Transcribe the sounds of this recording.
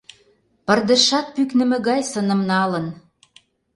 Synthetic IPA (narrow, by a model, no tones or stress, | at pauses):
pərd̪ə̆ʃɑt̪̚pyknɘ̆mɘ̆ɣɑjsənə̆mnɑlə̆n